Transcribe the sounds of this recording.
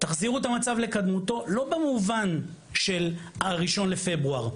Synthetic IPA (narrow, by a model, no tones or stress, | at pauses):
t̪aχziʁuet̪amat͡savle̞kad̪mut̪o̞lo̞bemuvan | ʃelaʁiʃo̞nle̞fe̞bʁuaʁ